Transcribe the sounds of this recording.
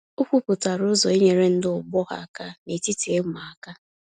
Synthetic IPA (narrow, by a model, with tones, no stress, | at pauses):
ʊ˦kʷu˦pʊ˨ta˨ɾʊ˦zɔ˨e˦ɲe˨ɾe˦n̩˦dɪ˦ʊ˨ɡ͡bɔ˦ɣa̰˨a˦˨ka˦ne˨ti˦ti˨e˦mʷa˨a˨ka˦